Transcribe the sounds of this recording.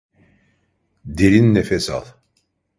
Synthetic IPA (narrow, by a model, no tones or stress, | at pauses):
d̪eɾinːefesa̰lˠ